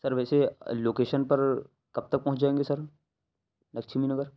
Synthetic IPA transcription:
sɐɾʋɛːseloːkeːʃənpɐɾ | kɐb̚t̪ɐk̚pɐɦʊ̃t͡ʃd͡ʒaːẽːŋɡesɐɾ | nɐkʃʰiminɐɡəɾ

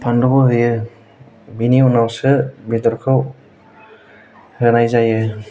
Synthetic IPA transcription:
pʰandɔbɔɦɯjɯ | biniunawsɯbidɔɾkʰɯw | ɾɯnajzajɯ

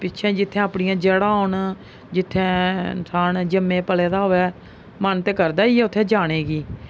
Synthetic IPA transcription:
pɪtːt͡ʃʰɛ̃ːd͡ʒɪt̪ʰːɛ̃ːapɳɪjãːd͡ʒəɽãːʊɳ | d͡ʒɪt̪ʰːɛ̃ːnsʰaːnd͡ʒəmːẽːpəlɛːd̪aːɦoːɛː | mənt̪eːkəɾd̪aːiːɛːʊt̪ʰːẽːd͡ʒaːɽ̃eːɡiː

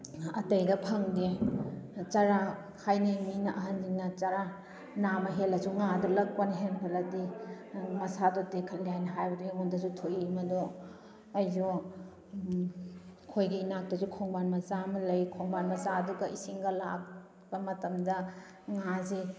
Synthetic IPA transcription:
ɐtɐjdɐpʰɐŋdi | t͡ʃaɾa | kʰajniminɐʔɐɦɐnd͡ʒiŋnɐt͡ʃaɾa | namɐɦelɐzuŋadɔlɐk̚ponɦenkʰɐlɐdi | mɐsadotekʰɐtlijajnɐɦajbɐdujeŋondɐzutʰojimɐdo | ɐjzo | kʰojɡiinak̚tɐzukʰoŋbanmɐzamɐlɐjkʰoŋbanmɐzaɐduɡɐisiŋɡɐla̰k | b̥ɐmɐtɐmdɐ | ŋazi

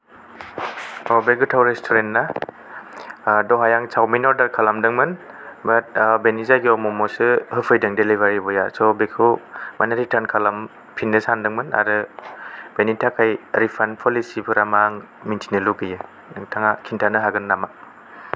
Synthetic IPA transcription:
ɔbeɡɯtʰawɾestʰoɾentna | dɔɦajaŋsʰawminɔɾdaɾkʰalamdɯŋmɯn | bat̚benizajɡiɔmɔmɔsɯhɯpʰɯjdɯŋdeliβaɾibɔjasɔbekʰumanaɾitʰankʰalam | pʰinːɯsandɯŋmɯna̰ɾɯ | b̥enitʰakʰajɾipʰanpʰɔlisibɯɾamaŋ | mintʰinɯluɡɯjɯ | ɯŋtʰaŋakʰintʰanɯɦaɡɯnːama

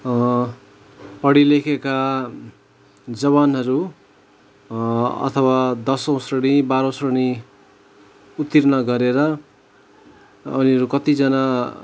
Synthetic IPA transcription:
pʌɽilekʰeka | d͡zʌβanɦʌɾu | ʌ̰t̪ʰʌwad̪ʌsʌ̃w̃srʌɽ̃ibaɾʌ̃srʌɽi | ut̪ːirnʌɡʌɾeɾʌ | uniʌɾukʌt̪id͡zʌna

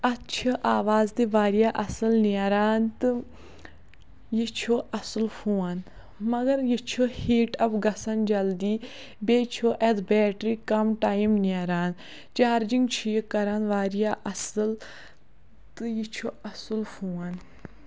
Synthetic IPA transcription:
ɐt̪t͡ʃʰɐʔaːʋaːzt̪iʋaːɾijaːʔɐsɨlniɐɾaːnt̪ɨ | jit͡ʃʰoːʔɐsɨlfʰuːɐn | mɐɡɐɾjit͡ʃʰoːhiːʈɐpɡɐsɐnd͡ʒɐld̪iː | beːt͡ʃʰoʔɛd̪bɛːʈɾiːkɐmʈaːjimniɐɾaːn | t͡ʃaːɾd͡ʒiŋɡt͡ʃʰijekɐɾanʋaːɾijaːʔɐsɨl | t̪ɨjit͡ʃʰoːɐsɨlfʰuːan

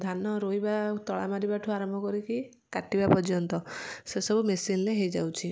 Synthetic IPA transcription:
d̪ʱanːɔɾojbat̪ɔɭa̰maɾibaʈʰuaɾɔmbʱɔkɔɾiki | kaʈibapɔɾd͡ʒjɔnt̪ɔsesɔbumesinleɦejd͡ʒa̰wt͡ʃʰi

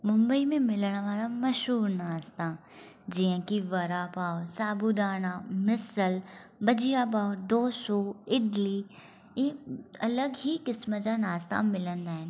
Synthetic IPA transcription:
mʊ̃mbəimẽmɪləɽ̃ʋaːɾaməʃɦuːɾnaːst̪aː | d͡ʒɪãːkiʋəɾaːpaːosaːbuːd̪aːnãːmɪsəlbəd͡ʒɪjaːpaːod̪oːsoːɪɖliː | ẽɐləɡɦikɪsməd͡ʒaːnaːst̪a̰mɪlə̃nd̪aːɦɛ

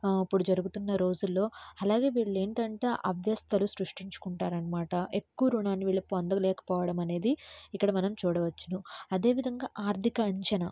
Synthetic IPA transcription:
ipːuɽud͡ʒɐɾuɡut̪unːɐɾo̞ːd͡ʒulːo̞ːɐlaːɡe̞ːʋiːɭːe̞ːɳʈɐɳʈeːʔɐʋjɐst̪ʰɐlusɾuʂʈiɲt͡ʃu̥kuɳʈaːɾɐnɐmaːʈɐʔe̞kːuʋɐɾuɳaːnːiʋiːɭːɐpond̪ɐlɛːkɐ̥pɔːʋɐɽɐmɐne̞ːd̪iikːɐɽɐmɐnɐmt͡ʃuːɽɐʋɐt͡ʃːunuɐd̪e̞ːʋid̪ʱɐŋɡaːʔaːɾt̪ʰikɐːɲt͡ʃɐnɐ

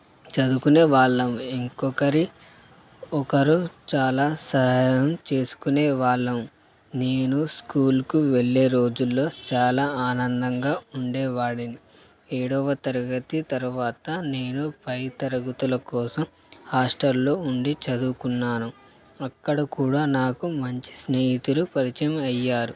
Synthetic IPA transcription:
t͡ʃɐd̪ukuneːʋaːɭːɐmuiŋkɔkɐɾi | ɔkɐɾut͡ʃaːlaːsɐɦɐjɐmt͡ʃe̞ːsu̥kuneːʋaːɭːɐm | neːnuskuːlkuʋeɭːe̞ːɾo̞ːd͡ʒulːo̞ːt͡ʃaːlaːaːnɐnd̪ɐŋɡaːuɳɖɛːʋaːɽini | eːɽɔʋɐt̪ɐɾɐɡɐt̪it̪ɐɾuʋaːt̪ɐne̞ːnupɐjt̪ɐɾɐɡut̪ulɐkɔːsɐm | haːsʈɐɾloːuɳɖit͡ʃɐd̪ukunːaːnu | ɐkːɐɽɐkuːɽaːnaːkumɐɲt͡ʃi̥sneːjit̪ulupɐɾit͡ʃɐmiɐjːaːɾu

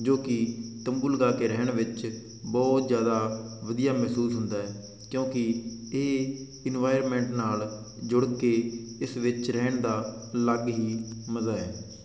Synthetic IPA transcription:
d͡ʒoːkɪt̪əmbuːlɡaːkeːɾɛːɳ̃ʋɪt͡ʃ | bɔːt̪zjaːd̪aːʋəd̪ijaːmɛɦsuːsɦʊnd̪aːɦɛː | kjõːkɪeː | ɪnʋaːɪɾmɛ̃ːɳʈnaːl | d͡ʒʊɽkeːɪsʋɪt͡ʃɾɛːɳd̪aːləɡɦiːməzaːɛː

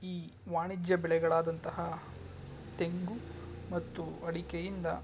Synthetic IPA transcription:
iː | ʋaːɳid͡ʒjɐbɛɭɛɡɐɭaːd̪ɐnt̪ɐɦɐ | t̪e̞ŋɡu | mɐt̪ːuɐɽikejind̪ɐ

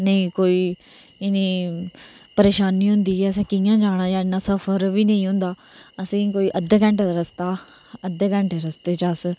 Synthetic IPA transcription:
nəĩːkoːiː | ɪnĩː | pəɾeːʃaːniːɦʊ̃nd̪iːɦɛːəsɛ̃ːkɪjãːd͡ʒaːɽ̃ãːjãːɪnːãːsəfʰəɾʋiːnə̃ĩːɦʊ̃nd̪aː | əsĩːkoːiːʔəd̪əkɛ̃ɳʈ̪aɾəst̪aː | əd̪əkɛ̃ɳʈːɾəst̪eːt͡ʃəs

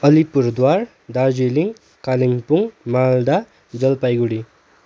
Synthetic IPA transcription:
ʌlipuɾd̪waɾ | d̪ad͡zeliŋ | kaliŋpuŋmald̪a | d͡zʌlpajɡuɽi

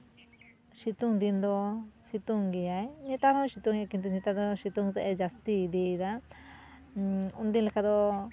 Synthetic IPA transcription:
ʃit̪ũnd̪ind̪osit̪uŋɡiainĩt̪aðõʃit̪ũŋkind̪inĩt̪aðoʃit̪ũŋt̪eejast̪iðiða | und̪ĩlekaðo

